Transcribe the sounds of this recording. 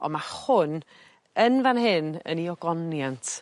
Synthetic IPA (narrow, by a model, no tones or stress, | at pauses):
ɔ̰mahʊn | ənvanɦɪnə̰niɔɡɔnjantʰ